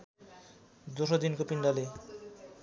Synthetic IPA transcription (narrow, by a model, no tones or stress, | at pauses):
d̪oʃod̪inkopinɖale